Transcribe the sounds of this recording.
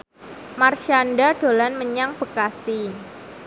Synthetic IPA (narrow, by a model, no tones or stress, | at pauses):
marʃanɖaɖ̥o̤lanməɲaŋb̥əkasɪn